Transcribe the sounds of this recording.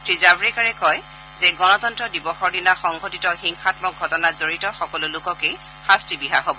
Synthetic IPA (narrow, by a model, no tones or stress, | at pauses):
tʰɹizabɹɛkaɹɛkɔj | zɛɡɔnɔtɔntɹɔdibɔxɔɹdinaxɔŋɡotitɔxiŋxatmɔk̚ɡʱɔtɔnazoɹitɔxɔkɔlʊlʊkɔkej | xastibiɦa̰ɦobɔ